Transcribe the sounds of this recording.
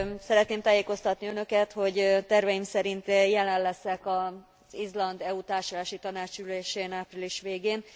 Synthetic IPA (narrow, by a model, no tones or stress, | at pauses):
sɛɾɛt̪neːmt̪aːjeːko̞st̪ɒt̪niønø̞kɛt̪ho̞ɟt̪ɛrvɛjimsɛɾint̪jɛlɛnlɛsɛkɒ | z̥izlɒnd̪ɛut̪aːrʃolaːʃit̪ɒnaːt͡ʃyleːʃeːnaːpriliʃʋeːɡeːn